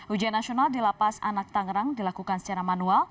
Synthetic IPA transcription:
hud͡ʒanːasionaldilapasa̰nak̚t̪aŋɾaŋdilakukansə̥t͡ʃaɾamanual

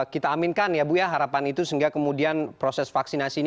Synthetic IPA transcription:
kit̪aːminkanjabujaɦaɾapanit̪usəŋɡakəmudianpɾosɛsfaksinasin

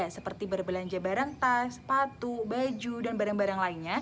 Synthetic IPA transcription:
asəpərt̪ibərbəlaɲd͡ʒabaɾaŋt̪aspat̪ubad͡ʒudanbaɾaŋbaɾaŋlainɲa

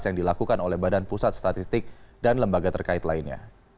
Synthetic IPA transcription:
sjaŋdilakukanolɛhbadanpusat̪̚st̪at̪ist̪ɪk̚danləmbaɡat̪ərkait̪lainɲa̰

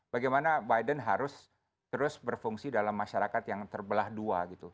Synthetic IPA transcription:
b̥aɡajmanabajdənɦaɾʊs | t̪əɾʊsbərfuŋsidalamːaʃaɾakat̪jaŋt̪ərbəlahduaɡit̪u

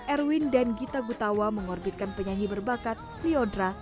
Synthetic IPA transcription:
ʔɛrwindanɡit̪aɡut̪awaməŋɔrbit̪̚kanpəɲaɲibərbakat̪̚liɔdɾa

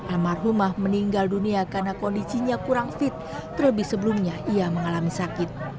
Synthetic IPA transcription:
ʔalmarlumahməniŋɡalduniakarnakondisiɲakuɾaŋfɪt̪̚ː | ərləbɪhsəbəlumɲaʔiaməŋalamisakɪt̪̚

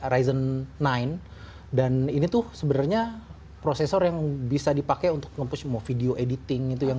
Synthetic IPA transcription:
ɾaizənːaɪn | daninit̪ʊhsəbənarɲa | pɾosesɔrjaŋbisadipakajunt̪ʊ̥k̚ŋəmpʊsmafideoʔedit̪ɪŋit̪ujaŋ

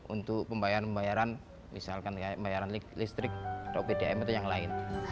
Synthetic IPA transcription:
ṵnt̪ʊk̚pəmbajaɾaəmbajaɾan | misalkanmbajaɾanlist̪ɾɪk̚t̪apidaɛmət̪jaŋlaɪn

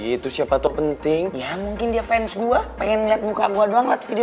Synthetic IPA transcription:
it̪usiapat̪ɔpənt̪ɪŋjamuŋkɪndiafɛnsɡuapɛŋɛnliat̪̚muka̰ɡuadoaŋlat̪̚fidio

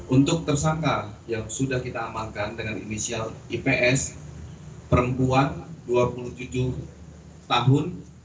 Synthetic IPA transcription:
unt̪ʊk̚t̪ərsaŋkajaŋsudahkit̪aːmalkandəŋanḭnisialipeʔɛs | pəɾəmpuanduapuluht̪ud͡ʒu | t̪aɦʊn

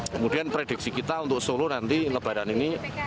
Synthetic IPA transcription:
kəmud̥ianpɾeɖik̚sikit̪aunt̪ʊksolonant̪iləb̥a̤ɾanini

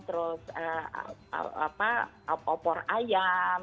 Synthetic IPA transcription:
t̪əɾʊsə̰ | a̰pa | ɔpɔraja

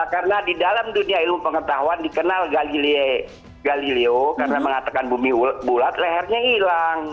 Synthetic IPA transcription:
karənadidalamduniailmupəŋət̪aɦuandikənalɡalile | ɡalileokarənaməŋat̪akanbumibulat̪̚lɛɦɛrɲailaŋ

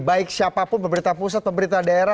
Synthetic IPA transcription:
baɪksiapapʊnpəmbəɾit̪apus̬at̪̚pəmbəɾit̪adaeɾa

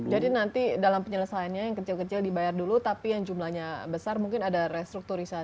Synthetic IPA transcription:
d͡ʒadinant̪idalampəɲələsajanɲajaŋkət͡ʃɪlkət͡ʃɪldibajardulut̪apijaŋd͡ʒumlahɲabəsarmuŋkɪnadarɛst̪ɾuk̚t̪uɾisa

